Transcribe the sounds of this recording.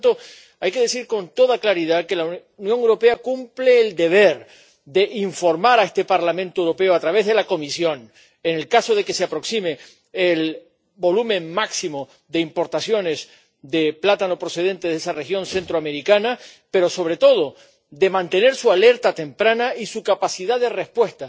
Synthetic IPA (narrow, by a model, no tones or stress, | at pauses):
t̪o | ajke̞ð̞esiɾko̞nt̪o̞ðaklaɾið̞ake̞la | njoŋewɾo̞pe̞akumpleːld̪e̞β̞eɾ | d̪e̞ʔiɱfo̞ɾmaɾaest̪e̞paɾlamẽnt̪oewɾo̞peoat̪ɾaβe̞zðe̞lako̞misjõ̞n | enelkaso̞ð̞e̞ke̞seapɾo̞ksime̞ː | l | bo̞lumẽ̞ŋːaksimo | ðe̞impo̞ɾt̪asjo̞ne̞z | d̪e̞plat̪ano̞pɾo̞se̞ðẽ̞nt̪e̞ðesarexjõ̞nse̞nt̪ɾoame̞ɾikanape̞ɾo̞so̞β̞ɾe̞t̪o̞ðo̞ | d̪e̞mãnt̪e̞ne̞ɾsuale̞ɾt̪at̪e̞mpɾanaʔisukapasiðaðe̞re̞hpwe̞st̪a